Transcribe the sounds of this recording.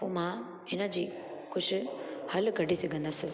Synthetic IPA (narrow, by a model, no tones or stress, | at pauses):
poːmã | ɪnəd͡ʑiː | kʊd͡ʑʰɪ̆hɐlɡʱɐɖʱisɐɡʱə̃nd̪əsɪ